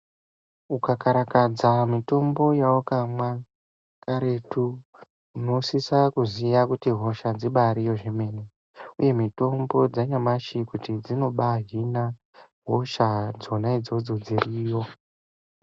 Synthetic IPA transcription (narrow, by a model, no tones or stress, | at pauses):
ukakaɾakad͡zamito̞mbo̞jawokamwa | kaɾe̞tu | uno̞sisakuzijakutiɦo̞ʃad͡ziɓaɾijo̞ʐeme̞ːne | uje̞mito̞mbo̞d͡zaɲamaʃikutid͡zino̞ɓaɦina | ɦoʃad͡zo̞naid͡zo̞d͡zo̞d͡ziriːjo̞